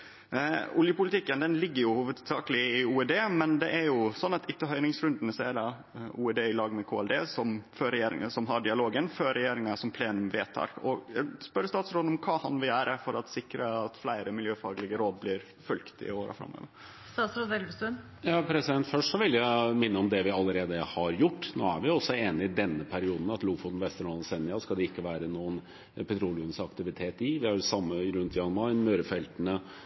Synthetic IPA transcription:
ʊljəpʊlɪt̪ʰɪkːənd̪ɛnlɪɡːəɾjʊhuːʋəd̪sɑːkəlɪɪuːɛd̪eːmɛnd̪ɛʔæɾjʊsɔnːɑt̪ɪt̪ːəɦœʏnɪŋsɾʉnd̪ənəsɔɛd̪ɑ | uːɛd̪eːɪlɑːɡmɛkʰoːɛld̪eːsɔmføːɾɛjeːɾɪ̰ŋəsɔmɦɑɖɪɑloːɡənføːɾɛjeːɾɪŋɑsɔmpʰleːnʉmʋeːt̪ʰɑ̰ɾkɔjæspœɾəst̪ɑːt̪sɾoːd̪ɔmkʰɑːhɑnʋɪæːɾʔəfɔɾɑt̪sɪkɾəɑt̪flæɪɾəmɪljøːfɑ̰ːɡlɪɡəɾoːd̪̚blɪːɾ | fœlkt̪ɪ̰oːɾə̰fɾɑ̰mːo̰ːʋəɾ | sɑːsɾɔd̪ɛlbsʉn | jɑːpʰɾɛsɪd̪ɛnt̪fœʂʈsɔʋɪljæɪmɪnːəɔmd̪ɛʋɪɑlːəɾeːd̪əhɑɾjʊʈːno̰ːæɾʋɪɔsːɔeːnɪɪd̪ɛnːəpʰæɾɪuːd̪n̩ɑt̪luːfʊt̪n̩ʋɛst̪əɳɔːnsɛnːɪɑskɑld̪ɛɪkːəʋæːɾənuːən | pʰɛt̪ʰɾuːlɪʉnsɑkt̪ɪʋɪt̪ʰeːt̪ɪʋɪhɑɾsɑmːəɾʉnt̪ʰjɑnmɑɪnmøːɾəfɛlt̪ənə

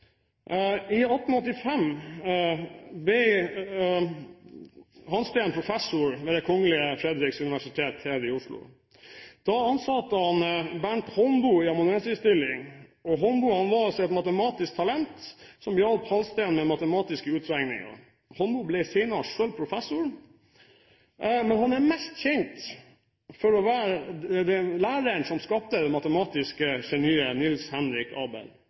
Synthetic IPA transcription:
ɪɔt̪ːn̩ɔt̪ːɪfɛm | b̪ɛ | hɑnst̪ænpʰɾʊfɛsʊɾʋɛːd̪ɛkʰɔŋəlɪəfɾɛd̪ɾɪksʉnɪʋæʂɪt̪ʰeːt̪hæːɾɪʊslʊ̰ | d̪̥ɑɑnsɑt̪ːəhɑnbæɳʈhɔnbuːɪɑmʊnɛnsɪst̪ɪlːɪŋɔɦɔnbuːhɑnʋɑːsɛt̪mɑt̪əmɑːt̪ɪsk̚t̪ʰɑlɛnt̪sɔmbjɑlphɑlst̪æɪnmɛmɑt̪əmɑːt̪ɪskəʉːt̪ɾɛŋnɪ̰ŋɑ̰ɾ | hɔnbuːblɛseɪnɑʂøːlpʰɾʊfɛsːʊɾ | mɛnhɑnæɾmɛst̪çɛnt̪ | fɔɾɔʋæːɾd̪ɛlæːɾəɳsɔmskɑp̚t̪əd̪ɛmɑt̪əmɑːt̪ɪskəʃɛnyːənɪlshɛnɾɪkʰɑ̰ːbə̰l

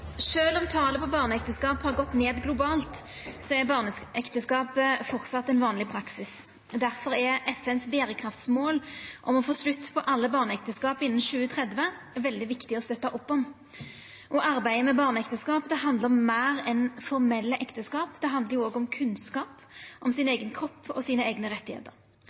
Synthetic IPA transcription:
ʂøːlɔmt̪ʰɑːləpʰɔbɑːʁnəɛkt̪əskɑːphɑʁɡɔt̪neːd̪ɡlʊbɑːlt̪ | sɔɛbɑːʁnəʔɛkt̪əskɑːpəfɔɾt̪sɑt̪ːɛnʋɑːnlɪpʰɾɑksɪs | d̪æɾfɔɾɛɛfɛnsbeːɾəkʰɾɑft̪smoːlʔɔmɔfoːslʉt̪ːpʰɔʔɑlːəbɑːʁnəɛk̚t̪əskɑːpɪnːnʃʉːət̪ʰʁɛd̪ʋə | ʋɛld̪ɪʋɪkt̪ɪɔst̪œt̪ːɑʔɔpːɔm | ʔɔʔɑɾbæɪəmɛbɑːʁnəɛkt̪əskɑːpd̪ɛɦɑnd̪əɾɔmːæːɾɛnfɔʁmɛlːəʔɛkt̪əskɑːpd̪̥ɛɦɑnd̪əʁjʊoːɡɔmkʰʉnskɑːp | ʔɔmsɪneːɡənkʰɾɔpːɔsiːnəæːɡnəʁɛt̪ːɪhḛːt̪əɾ

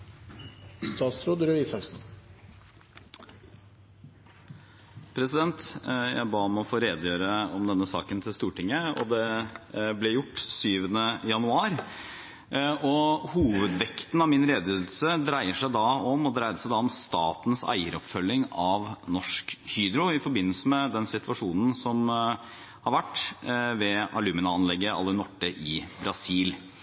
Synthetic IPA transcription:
st̪ɑːt̪sɾoːd̪ɾøiːsɑlsn̩ | pʰɾɛsɪd̪ɛnt̪jæ̰ɪbɑːmɛɔfoːɾeːd̪jøːɾəɔmd̪ɛnːəsɑ̰ːkənt̪ʰɪlst̪uːʈɪŋːəɔ̰d̪ɛ | blɛjʊʈːsyːʋənəjɑnʉɑːɾ | ɔhuːʋəd̪ʋɛkt̪n̩ɑʋmɪnɾeːd̪jøːd̪l̩səd̪ɾæɪəʂæɪd̪ɑɔmɔd̪ɾæɪəʂæɪd̪ɑɔmst̪ɑːt̪n̩sæ̰ɪəɾɔpfœlːɪŋɑʋnɔʂkhyːd̪ɾʊɪfɔɾbɪnːəl̩səmɛd̪ɛnsɪt̪ʋɑʂuːnn̩sɔm | hɑɾʋæʈːʋɛɑlʉːmɪnɑɑnlɛɡːəɑ̰lːənɔʈːəʔɪbɾɑsiːl

